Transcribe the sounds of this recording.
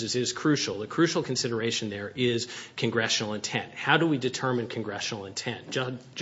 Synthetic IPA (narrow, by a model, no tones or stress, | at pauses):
ɨzɪz̥kʰɹ̥ʉʃl̩ˠðɨkʰɹ̥ʉʃl̩ˠkʰn̩sɪɾə˞eɪʃɨ̃nðə˞ʔɪz̥kʰɨ̃nɡɹɛʃnl̩ˠə̃ntʰɛ̰̃nt̚haʊɾəwidɨtʰɜ˞mɨ̃nkʰɨ̃nɡɹɛʃnl̩ˠə̃ntʰɛ̃n